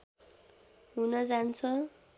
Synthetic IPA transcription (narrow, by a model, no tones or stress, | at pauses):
ɦunʌd͡zant͡sʰʌ